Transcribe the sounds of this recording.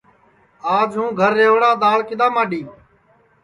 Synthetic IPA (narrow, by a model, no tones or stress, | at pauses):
aːd͡ʒɦũːɡʱəɾːeːʋɽaːɗ̪aːlkɪd̪aːmaːɗiː